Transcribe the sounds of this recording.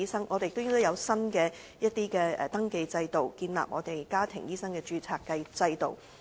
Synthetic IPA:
iː˥sɐ˥ŋʔɔː˨˧te˨jk̚t̪o˥t̪ːjɐ˨˧wsɐ˥nkɛː˧ | jɐ˥t̪̚iː˥kɛː˧ɛ˨t̪ɐ˥ŋke˨˧jt͡sɐ˧jt̪o˨wkiː˧nla̰ː˨p̚ŋɔː˨˧t̪e˨jkaː˥t̪ʰɪ̰˨˩ŋjiː˥sɐ˥ŋkɛː˧t͡ʃyː˧t͡sʰaː˧kːɐ˧jt͡sɐ˧jt̪o̰˨˩w

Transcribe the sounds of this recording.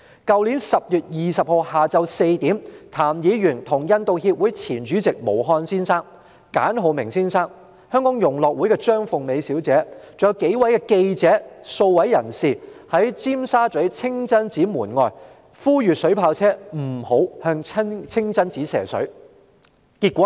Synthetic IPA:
kɐ˨˧wliː˨˥nsɐ˨p̚jyː˨t̚jiː˨˩sɐ˨p̚ho˧whaː˨t͡sɐ˧wse˧jt̪iː˨˥mt̪ʰaː˨˩mjiː˨˧˥jyː˨˩nt̪ʰʊ˨˩ŋjɐ˧nt̪o˨˧whiː˧p̚wuː˨˥jt͡sʰiː˨˩nt͡ʃyː˨˥t͡sɪ˨k̚mo˨˩wɦɔː˧nsiː˥nsaː˥ŋ | ka̰ː˨˥nɦo˨˧wmɪ˨˩ŋsiː˥nsaː˥ŋ | hœː˥ŋkɔː˨˥ŋjʊ˨˩ŋlɔː˨k̚wuː˨˥jkɛː˧t͡ʃœː˥ŋfʊ˨ŋme˨˧jsiː˨˥wt͡sɛː˨˥t͡sʊ˨˧˩jɐ˧wke˨˥jwɐ˨˥jkɛː˧ke˧jt͡sɛː˨˥so˧wwɐ˨˥jːɐ˨˩nsiː˨˩hɐ˨˥jt͡siː˥msaː˥t͡ʃɵ˨˥ɥt͡sʰɪ˥ŋt͡sɐ˥nt͡siː˨˥muː˨˩nŋɔː˧j | fuː˥jyː˨tsɵ˨˥ɥpʰaː˧wt͡sʰɛː˥m̩˨˩ho˨˥whœː˧ŋʰ˥t͡sʰɪ˥ŋt͡sɐ˥nt͡siː˨˥sɛ̰ː˨˩sɵ̰˨˥ɥ | kiː˧t̚kʷɔː˨˦˥

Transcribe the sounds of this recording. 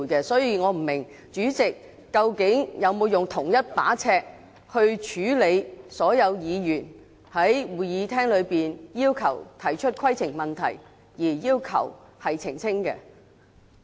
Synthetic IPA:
jkɛ˧sɔː˨˥jiː˨˧ŋɔː˨˧m̩˨˩mɪ˨˩ŋ | t͡ʃyː˨˥t͡sɪ˨kː | ɐ˧wkɪ˨˥ŋjɐ˨˧wmo˨˧wjʊ˨ŋt̪ʰʊ˨˩ŋjɐ˥t̚pa̰ː˨˥t͡sʰɛː˧k̚ | hɵ˧ɥt͡ʃʰyː˨˥le˨˧jsɔː˨˥jɐ˨˧wjiː˨˧jyː˨˩n | hɐ˨˥jwuː˨˩jjiː˨˧t̪ʰɛː˥ŋlɵ˨˧ɥpiː˨njiː˥wkʰɐ̰˨˩wt̪ʰɐ˨˩jt͡ʃʰɵ˥t̚kʰwɐ˥jt͡sʰɪ˨˩ŋmɐ˨nt̪ʰɐ̰˨˩j | jiː˨˩jiː˥wkʰɐ̰˨˩whɐ˨jt͡sʰɪ˨˩ŋt͡sʰɪ˥ŋkɛ̰ː˧

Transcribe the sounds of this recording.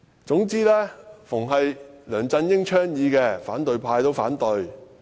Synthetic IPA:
t͡sʊ˨˥ŋt͡siː˥lɛː˥fʊ˨˩ŋɦɐ˨jlœː˨˩ŋt͡sɐ˧njɪ˥ŋt͡ʃʰœː˥ŋjiː˨˧kɛː˧faː˨˥nt̪ɵ˨ɥpʰaː˧jt̪o˧˥wfaː˨˥nt̪ɵ˨˧ɥ

